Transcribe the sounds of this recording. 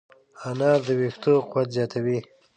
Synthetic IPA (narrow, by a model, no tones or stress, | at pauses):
anɑːzd̪əwext̪oqwat̪zjɑːt̪ʰawi